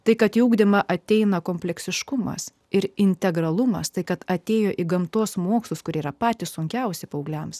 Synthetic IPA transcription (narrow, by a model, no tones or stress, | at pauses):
t̪ɐɪkɐt̪juːɡd̪ʲɪmɐʔɐt̪ʲɛɪnɐkoːmʲpʲlʲɛksʲɪʃkʊmɐ̰s | ɪɾɪnʲt̪ʲɛɡɾɐlˠʊmɐ̰st̪ɐɪkɐt̪ɐt̪ʲeːjoːʔɪɡɐmt̪oːsmoːkslˠʊskʊɾʲeːiːɾɐpɑːt̪ʲɪssʊŋʲkʲɛʊsʲɪpɐʊɡlʲɛms